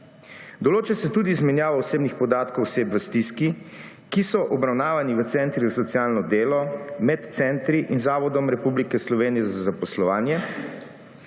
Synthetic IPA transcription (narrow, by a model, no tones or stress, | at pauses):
d̪ɔloːt͡ʃɛsɛt̪uːd̪iːzmɛnjaːʋɔɔseːbnixpɔd̪aːt̪kɔwseːbʋəst̪iski | kisɔʔɔbɾawnaːʋaniʋət̪sɛnt̪ɾizasɔt̪siaːlnɔd̪eːlɔmɛt̪t̪sɛnt̪ɾiʔinzaːʋɔd̪ɔmɾɛpublikɛslɔʋeːnijɛzazapɔslɔʋaːnjɛ